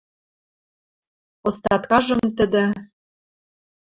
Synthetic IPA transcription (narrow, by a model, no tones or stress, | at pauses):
ŏst̪ɑt̪kɑʒɤ̆mt̪ə̆d̪ɘ̆